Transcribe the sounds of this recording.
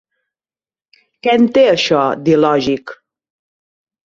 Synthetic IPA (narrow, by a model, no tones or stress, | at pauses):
kɛnt̪eəʃɔd̪ilɔʒik